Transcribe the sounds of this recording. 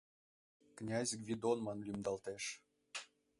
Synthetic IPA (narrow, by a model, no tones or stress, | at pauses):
knʲɑzʲəkvʲid̪onmɑnlʲymd̪ɑlt̪eʃ